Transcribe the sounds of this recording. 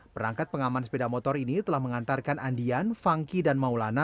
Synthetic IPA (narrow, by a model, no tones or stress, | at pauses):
pəɾaŋkat̪̚pəŋamansə̥pedamɔt̪ɔɾinit̪əlahməŋant̪arkanandianfaŋkidanmaulana